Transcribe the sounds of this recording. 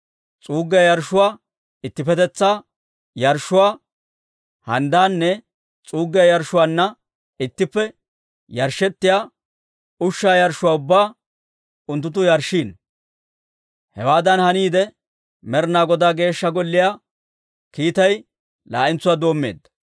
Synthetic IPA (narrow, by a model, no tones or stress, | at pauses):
t͡sʼuːɡːɪjɐjɐɾʃːʊwaː | ɪt̪ːɪpɛt̪ɛt͡sːaː | jɐɾʃːʊwaː | hɐnd̪aːnːɛ | t͡sʼuːɡːɪɐjɐɾʃːʊwaːnːɐ | ɪt̪ːɪpːɛ | jɐɾʃɛt̪ːɪjaː | ʊʃːaːjɐɾʃʊwaːʊbːaː | ʊnt̪ːʊt̪̬ːʊjɐɾʃːiːn | hɛ̰waːd̪ɐnhɐniːd̪ɛ | mɛɾnaːɡɔd̪aːɡe̞ːʃːɐɡɔlːɪjaː | kiːt̪ɐj | la̰ːʔɪnt͡sːʊwaːd̪o̞ːmːe̞̰ːd̪ːɐ̥